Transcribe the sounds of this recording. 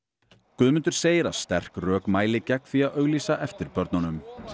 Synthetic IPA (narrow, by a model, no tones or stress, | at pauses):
kʏðmʏnt̪ʏɾ̥seːjɪɾa̰st̪ɛr̥krœːkmaːjlɪcɛkθiaðœɣliːsaʔɛft̪ɪɾpœɾt̪nanʏm